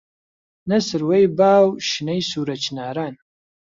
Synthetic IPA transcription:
nɐsɨrwejbaːwʃɨnɐjsuːɾɐt͡ʃʰnaːɾaːn

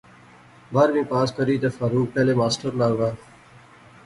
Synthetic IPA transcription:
bəɾmĩːpaːskəɾiːt̪eːfaːɾuːk̚pɛːleːmaːsʈəɾnaːoɡaː

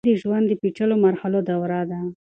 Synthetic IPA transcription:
d̪əʒwand̪ːəpiʈ͡ʂəlomaɾhalod̪awɾɑd̪a

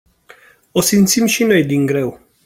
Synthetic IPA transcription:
o̞simt̪simʃino̞jd̪iŋɡɾe̞w

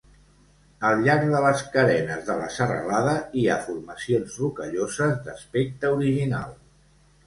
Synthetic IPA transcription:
əlˠʎaɾɡ̚ðələskəɾɛnəzðələ̰sərə̰laðəiafuɾməsionzrukəʎozəzd̪əspek̚t̪əuɾiʒina̰lˠ

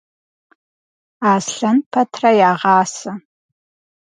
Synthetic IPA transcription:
aːsɬɐnpʰɐtʰrɐjaːʁɑːsɐ

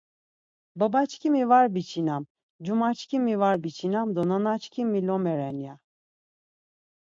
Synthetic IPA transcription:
babat͡ʃʰcʲʰimivaɾbit͡ʃʰinam | d͡ʒumat͡ʃcʲʰimːivaɾbit͡ʃʰinamd̪onanat͡ʃkʰimːilɔmɛɾɛnja

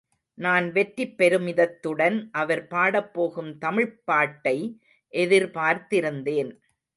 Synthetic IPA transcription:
naːnʋɛʈripːɛɾɯmɪðɐt̪ːɯɽɐnʔɐʋɐɾpaːɽɐpːoːɣɯmt̪ɐmɪɻpːaːʈːɐɪ | ʔɛðɪɾpaːɾt̪ɪɾɯnd̪eːn

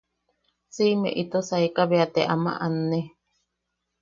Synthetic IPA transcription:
simḛ̃ʔit̪osaikaβeat̪eʔamã̰ʔanːe

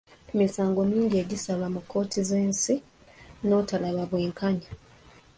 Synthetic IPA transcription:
misaːŋɡo̞miːɲɟie̞ɟisalwamukʰːo̞ːtʰize̞ːnsi | no̞talaβaβwe̞ːŋkʰaɲa

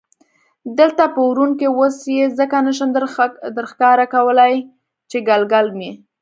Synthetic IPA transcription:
d̪əlt̪apəwɾunkewosjezəkanəʃ̬əmd̪d̪əɾxkɑɾakawəlaj | t͡ʃeɡalɡalme

